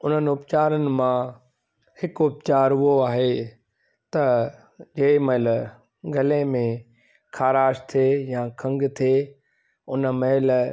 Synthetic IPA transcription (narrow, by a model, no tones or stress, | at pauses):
ʊn̤ənɪ̆ʊpt͡ɕaːɾənɪ̆mã | hɪkʊpt͡ɕaːɾuoaːɦe | t̪ɐ | d͡ʑeːɪmɐɦɪl | ɡʱɐlemẽ | kʰaːɾaːʃt̪ʰejãkʰɐ̃ŋɡt̪ʰe | ʊnmɐɦɪl